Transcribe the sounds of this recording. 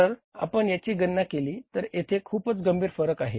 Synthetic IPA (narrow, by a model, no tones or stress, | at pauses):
əɾa̰pəɳjat͡ɕiːɡənːakeliːt̪əɾet̪ʰekʰuːpət͡sɡəmbʱiːɾfəɾəkaɦe